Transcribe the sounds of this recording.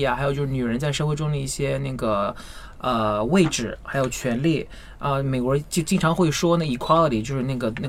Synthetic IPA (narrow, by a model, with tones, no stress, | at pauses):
a˩xɪjt͡ɕjo˥˧ʂny˨˩ɻə˧˥nt͡sa˥˧ɪʂɤ˥˧xwe˥˧ɪʈ͡ʂʊ˥ŋd̪ə˨˧i˥˩ɕjɛ˥na˥˩ɡə˩ | ə˧we˥˧ɪʈ͡ʂɻ̩˥˩xa˧˥ɪjo˨˩ʊt͡ɕʰɥɛ˧˥nli˥˩ | ə˧me˨˩ɪkwɔ˧˥˧t͡ɕo˥˧t͡ɕi˥ŋʈ͡ʂʰɑ˧˥ŋxwe˥˩ɪʂwɔ˥nə˥˩i˧˩kʰwɑ˥lə˨˩t̪ʰi˨t͡ɕjo˥˧ʊʂɻ̩˥˧na˥˩ɡə˩na˥˩